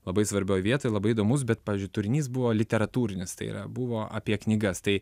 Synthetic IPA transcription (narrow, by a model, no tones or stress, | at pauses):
lˠɐbɐɪsʋɐɾʲbʲoːjʋʲiɛt̪oːjlˠɐbɐɪɪd̪oːmʊs̬bʲɛt̪̚pɑːʋʲizʲd͡ʒʲʊɪt̪ʊɾʲɪnʲiːsbʊʋoːlʲɪt̪ʲɛɾɐt̪uːɾʲɪnʲɪst̪ɐɪḭɾɐ̰bʊʋoːʔɐ̰pʲiɛknʲiːɡɐst̪ɐɪ